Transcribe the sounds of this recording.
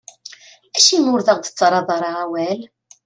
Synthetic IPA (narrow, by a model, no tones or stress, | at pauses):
æʃimʊɾðəʁd̪ət͡sːɾˤɑðˤɾˤɑʁawæl